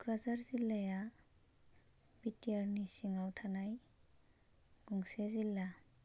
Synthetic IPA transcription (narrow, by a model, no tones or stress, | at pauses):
ɡ̥ɾazaɾzilːaja | bitijaɾnisiŋawtʰanaj | ɡ̥uŋsezilːa